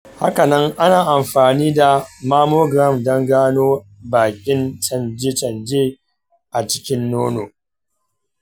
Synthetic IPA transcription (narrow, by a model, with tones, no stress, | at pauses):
ha̰˦ka˨nɐ˦ŋʔa˦naː˨ʔa˨mɸaː˨niː˦da˨maː˦moː˦ɡɾɐ˦˨mdɔ˦ŋɡaː˦noː˦baː˨kʲʼɪ˦nt͡ʃɐ˨nd͡ʒe˦t͡ʃɐ˨nd͡ʒeː˦ | ʔa˨t͡ʃɪ̥˦kʲɪ˦nːoː˦noː˨